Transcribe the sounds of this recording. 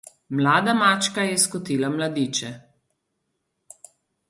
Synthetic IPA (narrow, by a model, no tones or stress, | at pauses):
mlaːd̪amat͡ʃkajɛskɔt̪iːlamlad̪iːt͡ʃɛ